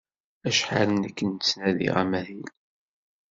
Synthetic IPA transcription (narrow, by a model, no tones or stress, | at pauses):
æʃħalənækːənt͡sːnæðḭʁæ̰mæðil